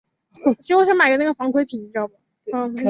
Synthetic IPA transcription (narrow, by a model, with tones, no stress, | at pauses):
t͡ɕʰi˧˥˧ɔ˥˩ɕjɛ˥ma˨˩ɪʈ͡ʂə˧˥na˥˩ə˩fɑ˧˥ŋkʰwe˧˥ɪpʰi˨˩n˧˥˩ʈ͡ʂjɑ˥˩ba˨˩˥